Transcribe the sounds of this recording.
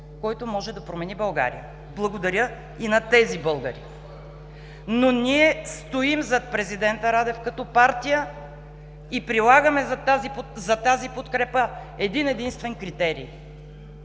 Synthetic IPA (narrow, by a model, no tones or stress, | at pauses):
kɔjt̪omɔʒɛd̪ɐpɾomɛnibɐlˠɡa̰ɾḭjə | blˠɐɡod̪ɐɾjə | inɐt̪ɛzibɤlˠɡəɾḭ | nonʲiɛst̪oimzɐt̪̚pɾɛzid̪ɛnt̪əɾad̪ɛfkɐt̪ɔpaɾt̪ijə | ipɾilˠaɡəmɛzt̪azipozɐt̪azipot̪kɾɛpə | ɛd̪inɛd̪inst̪vɛnkɾit̪ɛɾḭː